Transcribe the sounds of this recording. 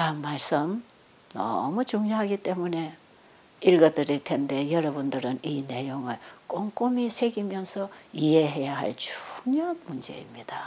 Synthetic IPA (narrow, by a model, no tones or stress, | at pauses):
kanmːaɭs͈ɯm | nʌ̰mut͡ɕuŋɲoɦaɡit͈e̞mune̞ | iɭɡʌdɯɾiɭtʰe̞nde̞jʌɾʌbundɯɾɯnine̞joŋɯɭk͈oŋk͈omisʰe̞ɡimjʌnsʰʌiɦe̞ɦe̞jaɦa̰ɭt͡ɕu̥ɲok̚mund͡ʑe̞̰imɲid̥a